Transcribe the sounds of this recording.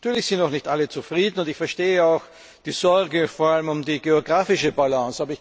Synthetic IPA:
atyːɐlɪçz̥ɪntnɔʊxnɪçtʔalət͡sufʁ̥iːdn̩ʊntɪçfɛɐʃteːəaʊx | d̥iːz̥ɔɐɡəfɔɐaləmʊmdiːɡeoɡʁaːfɪʃəbalɔ̃saːbɐɪç

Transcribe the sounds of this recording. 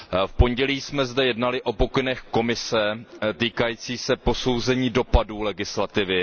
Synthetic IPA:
fpo̞ɲɟɛliːsmɛzdɛjɛdnalɪʔo̞po̞kɪnɛxko̞mɪsɛt̪iːkajiːt͡siːsɛpo̞so̞wzɛɲiːdo̞paduːlɛɡɪslat̪ɪvɪ

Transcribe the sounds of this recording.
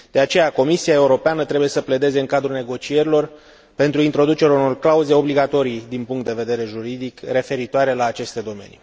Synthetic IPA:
d̪̥e̞at͡ʃe̞jako̞misiae̞uɾo̞peanət̪ɾebuje̞səpled̪e̞ze̞ɨŋkad̪ɾulne̞ɡo̞t͡ʃie̞ɾilo̞r | pe̞nt̪ɾuint̪ɾo̞d̪ut͡ʃe̞ɾauno̞rklauze̞o̞bliɡat̪o̞ɾid̪inpuŋkt̪d̪e̞ve̞d̪e̞ɾe̞ʒuɾid̪ikre̞fe̞ɾit̪oaɾe̞laːt͡ʃe̞st̪e̞d̪o̞me̞̰nḭ

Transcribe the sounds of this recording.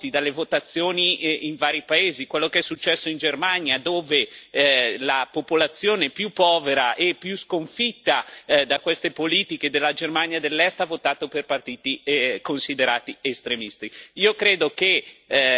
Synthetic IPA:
t̪id̪alːevot̪at̪sːjoːniiɱvaːɾipaeːzikwelːokeɛsːut͡ʃːɛsːoind͡ʒermaɲjad̪oːve | lapopolat̪sːjoːnepjupːɔːveɾaʔepːjuskoɱfit̪ːad̪akwest̪epoliːt̪iked̪elːad͡ʒermanjad̪elːɛst̪avot̪aːt̪operpart̪iːt̪ikonsid̪eɾaːt̪iest̪ɾemist̪iiːokɾeːd̪oke

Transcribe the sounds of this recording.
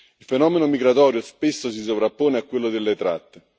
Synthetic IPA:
ilfenɔːmenomiɡɾat̪ɔːɾjospesːos̬is̬ovɾapːoːneakːwelːod̪elːet̪ɾa̰t̪ːe

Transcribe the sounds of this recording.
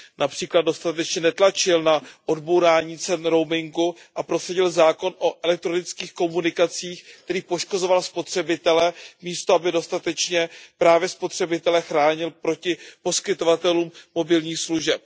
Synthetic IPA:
napr̥iːklad̪̚do̞st̪at̪ɛt͡ʃɲɛnɛt̪lat͡ʃɪlnaʔo̞dbowɾaːɲiːt͡sɛnɾo̞wmɪŋɡu | ʔapɾo̞ssaɟɪlzaːko̞nʔo̞ʔɛlɛk̚t̪ɾo̞nɪt͡skiːxko̞munɪkat͡siːxk̚t̪ɛɾiːpo̞ʃko̞zo̞valspo̞t̪r̝̥ɛbɪt̪ɛlɛmiːst̪oabɪdo̞st̪at̪ɛt͡ʃɲɛpɾaːvjɛspo̞t̪r̝̥ɛbɪt̪ɛlɛxɾaːɲɪlpɾo̞cɪpo̞skɪt̪o̞vat̪ɛluːmːo̞bɪlɲiːxsluʒɛp̚

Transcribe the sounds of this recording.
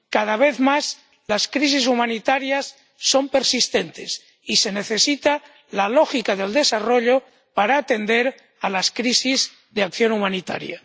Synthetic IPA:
kað̞aβ̞e̞θmaz | laskɾis̬is̬umãnit̪aɾjasː | o̞mpe̞ɾsist̪e̞nt̪e̞s | ise̞ne̞θe̞sit̪a | lalo̞xikaðe̞ld̪e̞saro̞ʎo | paɾaːt̪e̞nd̪e̞ɾ | alaskɾisiz | ðeakθjo̞numãnit̪a̰ɾja̰

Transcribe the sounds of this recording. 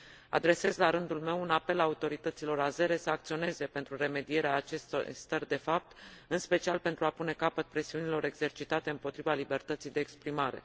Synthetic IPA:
a̰d̪ɾe̞se̞zlaɾɨnd̪ulme̞wunape̞laut̪o̞ɾit̪ət̪silo̞ɾaze̞ɾe̞səak̚t̪sio̞ne̞ze̞pe̞nt̪ɾure̞me̞d̪ije̞ɾeaːt͡ʃe̞st̪st̪ərd̪e̞fap̚t̪ɨnspe̞t͡ʃialpe̞nt̪ɾuapune̞kapət̪̚pɾe̞siunilo̞ɾe̞ɡz̥e̞rt͡ʃit̪at̪e̞ɨmpo̞t̪ɾivalibe̞rt̪ət̪sijd̪e̞ːkspɾimaɾe̞̰

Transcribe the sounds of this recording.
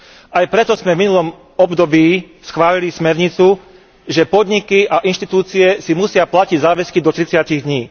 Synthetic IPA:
ajpɾɛt̪ɔzmɛvminulɔm | ɔbd̪ɔbiː | sxʋaːlilismɛɾɲit͡su | ʒɛpɔd̪ɲikiʔaʔinʃt̪it̪uːt͡siɛsimusɪaplaciɟzaːʋɛskid̪ɔt̪ɾit͡sɪaciɣd̪ɲiː

